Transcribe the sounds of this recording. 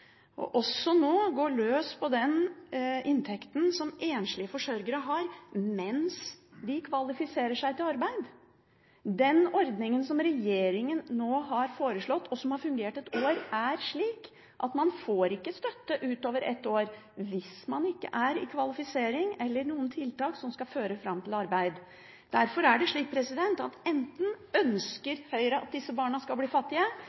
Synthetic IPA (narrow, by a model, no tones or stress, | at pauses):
ʔɔ̰ʔɔsːɔnoːɡoːɭøːspʰɔd̪ɛn | ɪnt̪ʰɛkt̪n̩sɔmeːnʂɭɪəfɔʂœɾɡəɾəɦɑɾmɛnsd̪ɪkʰʋɑlɪfɪseːɾəʂæɪt̪ɪlɑɾbæɪd̪ | d̪ɛnɔɾd̪nɪŋənsɔmɾɛjeːɾɪŋənːoːɦɑɾfoːɾəʂɭɔt̪ːɔsɔmhɑɾfʉŋɡeːʈɛt̪ʰoːɾæɾʂɭiːk | ʔɑt̪mɑnfoːɾɪkːəst̪œt̪ːəʔʉːt̪oːʋəɾʔɛ̰t̪ːoːɾʋɪsmɑnɪkːə̰ʔæɾɪ̰kʰʋɑlɪfɪseːɾɪŋɛlːəɾɳuːənt̪ʰɪlt̪ɑːksɔmskɑføːɾəfɾɑmːt̪ʰɪlɑɾbæɪd̪ | d̪̥æɾfɔɾæɖɛʂɭiːk̚pʰɾɛsɪd̪ɛnt̪ɑt̪ɛnt̪n̩œnskəɾhœʏɾəʔɑ̰t̪̚d̪ɪsːəbɑːɳəskɑlbliːfɑt̪ːɪə